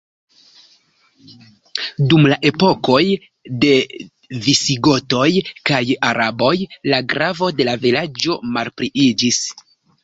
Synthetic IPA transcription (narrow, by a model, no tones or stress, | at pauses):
dumlaʔe̞po̞ko̞j | de̞ | visiɡo̞to̞jkajaɾabo̞jlaɡɾavo̞de̞lavilad͡ʒo̞malpɾiʔid͡ʒis